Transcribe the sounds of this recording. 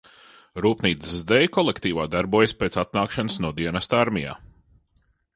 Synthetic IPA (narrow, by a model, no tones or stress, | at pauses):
ɾuːpniːt̪szzd̪ɛjkɔlˠekt̪iːʋaːd̪aɾbuɔjspeːt̪sat̪̚naːkʃanəsnuɔd̪iɛnast̪aɾmʲija̰ː